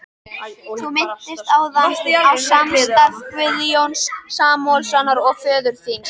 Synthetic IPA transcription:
θumɪn̥t̪ɪst̪aːwðaawsamst̪avkvɪljownsːaːmɔlsanaɾɔɣfœːðʏɾ̥θins

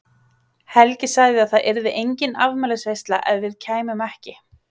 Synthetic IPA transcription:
hɛlcɪsaɣðɪaðθaðʔɛɾðɪʔejɲcɪnavmɛlsvejst̪la̰ʔɛðvɪðcʰaːjmʏmɛhcɪ

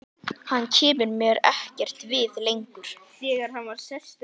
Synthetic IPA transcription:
hanːcʰɛːmʏɾmjœːɾɛ̰hcɛr̥t̪vɪðlejŋkʏɾ̥θɛːɣaɾ̥hanvaɾ̥sɛst̪

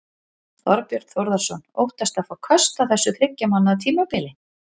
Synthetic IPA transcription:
θɔɾpjœɾ̥t̪θowɾðaɾ̥sɔno̰wht̪ast̪afawkʰœst̪aθɛsːʏθɾɪcːamanːat̪ʰiːmapɪlɪ

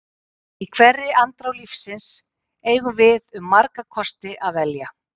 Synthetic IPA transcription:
ikʰv̥ɛrːɪʔant̪ɾawlifsɪns | eːjɣʏvɪðʏmːaɾkakʰɔst̪ɪʔaðvɛlja

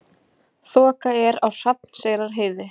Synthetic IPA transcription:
θɔːkaɛɾawr̥ap̪n̥seːɣɾaɾ̥ɦeːjðɪ

